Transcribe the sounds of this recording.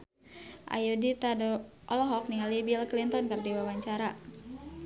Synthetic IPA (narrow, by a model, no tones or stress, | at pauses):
ʔa̰judit̪adɔʔɔlɔɦɔk̚niŋalibilklint̪ɔnkɨrdiwawaɲt͡ʃaɾa